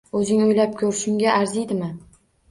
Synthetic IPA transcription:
ɵzɪŋʊjlap̚kʲʰɵɾʃɪŋɡʲaʔaɾzijd̪ɪmɪ

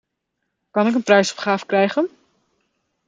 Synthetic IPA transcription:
kɑnɪkənprɛjsɔ̥pχaːvəkrɛjχən

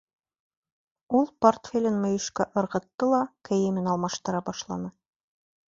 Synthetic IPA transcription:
ulˠport̪fʲelʲɘnmŏjɵ̆ʃkæʔŏɾʁɤ̆t̪ːɤlˠɑkɘ̆jɘ̆mɘnɑlˠmɑʃt̪ɤ̆ɾɑbɑʃlˠɑnɤ

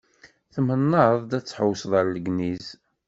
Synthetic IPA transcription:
θmənːəðˤd̪æt͡sːħowsðˤəɾləɡniz

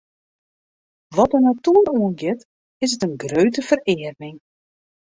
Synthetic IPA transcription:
ʋɔtənatuːəroənɡɪt | ɪsətənɡrøɥtəfərɪːərmɪŋ

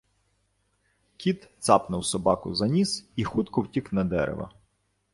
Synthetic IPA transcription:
kʲit̪t̪sɑpnɐwsɔbɑkʊ̰zɐnʲisixut̪kɔwtʲiknɐd̪ɛ̰ɾḛʋɐ̰

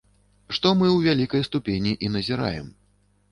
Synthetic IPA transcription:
ʂt̪ɔmɨwvʲalʲikɐjst̪upʲenʲiʔinɐzʲiɾa̰jɛ̰m

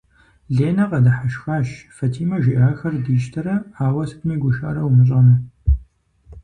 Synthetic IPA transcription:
ɮeːnɐqɐdɐħaʃxaːʃfɐtʰiːmɐʒiʔaːxɐrdiːʃtʰɐɾɐaːwɐsɨpniːɡʷʊʃa̰ːɾɐwmɨɕ̬ʼɐnɐ

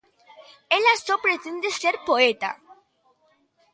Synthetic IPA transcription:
elasopɾet̪end̪eseɾpoet̪a̰

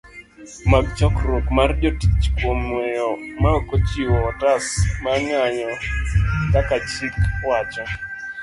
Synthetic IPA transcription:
mak̚d͡ʒɔkɾukmardjoti̥t͡ʃkwomwɛjɔmaɔkot͡ʃiwɔtasmaŋaɲɔ | kakat͡ʃikwat͡ʃɔ

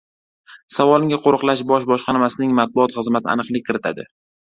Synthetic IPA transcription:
savɒlˠɪŋʲaqʰoɾɨqlˠaʃbɒʃbɒʃqɑnmasɪnɪŋmat̪̚bʊɒt̪χɨzmat̪ʰɪ̰a̰nɨqlˠɪk̚ʲkʰːɪɾɪt̪ʰa̰d̪ɪ̰

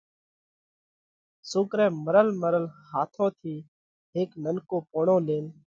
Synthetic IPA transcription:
sʊːkɾɛ̃ːməɾəlməɾəlhaːt̪ʰõːt̪ʰiː | ɦeːknənkoːpoːɳõːleːn

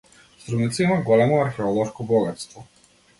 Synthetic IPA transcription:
st̪ɾunit̪saimaɡɔlɛmɔaɾxɛɔlˠɔʃkɔbɔɡat̪st̪vɔ

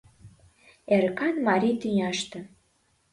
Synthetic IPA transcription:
eɾkɑnmɑɾʲit̪yɲʲɑʃt̪ɤ̆

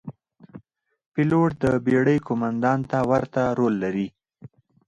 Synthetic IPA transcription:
pɪloʈ̚d̪əbeɽəjkomand̪ɑnt̪awaɾt̪aɾolːaɾi

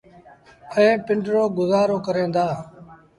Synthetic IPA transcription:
ɛ̃ːpɪɳɖɾoːɡʊzaːɾoːkəɾẽːnd̪aː

